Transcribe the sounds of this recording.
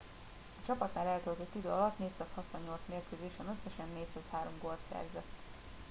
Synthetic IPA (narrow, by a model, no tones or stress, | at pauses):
ɒt͡ʃɒpɒt̪naːlɛlt̪ølt̪ot̪ːid̪ø̰ːɒlɒt̪neːcsaːshɒt̪ʋɒɲːo̞lt̪smeːrkøːzeːʃɛnøsːɛʃɛnːeːcsaːshaːɾo̞mɡo̞lt̪sɛ̰rzɛt̪ː